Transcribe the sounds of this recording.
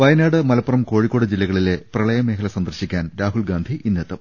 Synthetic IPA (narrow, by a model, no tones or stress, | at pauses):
ʋɐjɐnaːɽɨmɐlɐpːɐrɐmko̞ːɻikʲːo̞ːɽɨd͡ʑilːɐɣɐɭile̞prɐɭɐjɐme̞ːkʰɐlɐsɐnd̪ɐrɕikʲːaːnɾaːɦulɡaːnd̪ʱiʔinːɐt̪ːɐm